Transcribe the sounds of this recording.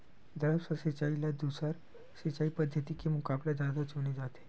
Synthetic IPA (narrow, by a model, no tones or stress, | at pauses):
d̪əɾapsəsit͡ʃailad̪usaɾ | sit͡ʃaipəd̪ʱjət̪ikemukablad͡ʒad̪at͡ʃʰunid͡ʒat̪ʰe̥